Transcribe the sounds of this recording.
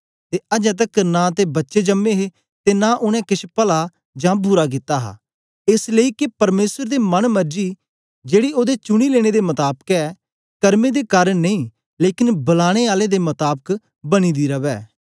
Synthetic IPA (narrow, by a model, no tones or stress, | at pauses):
t̪eːʔɐd͡ʒɛ̃ːt̪̬əknãːt̪ebɐtːʃed͡ʒəmːeːɦe | t̪enãːʔʊñɛ̃kɪʃʰpəla | d͡ʒãːbʱʊɾakɪt̪ːaːɦa̰ː | ɪsləiːkepɐɾmeːsəɾd̪emɐnmɐɾd͡ʒiː | d͡ʒeːɽioːd̪et͡ʃʊɽ̃ileːɽ̃ed̪emɐt̪aːbkɛː | kɐɾmeːd̪ekaɾnɐĩː | leːkɪnbɐlaːɽ̃eːaːled̪emɐt̪aːbək | bɐɽ̃iːd̪iɾɐʋɛː